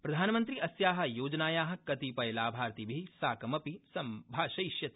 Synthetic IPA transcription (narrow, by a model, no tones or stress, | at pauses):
pɾɐd̪ʱaːnɐmɐnt̪ɾiɐsjaːɦɐ̆joːd͡ʒɐnaːjaːɦɐ̆kɐt̪ipɐjlaːbʱaːɾt̪ibʱisaːkɐmɐpisɐmbʱaːʃɐjʃjɐt̪i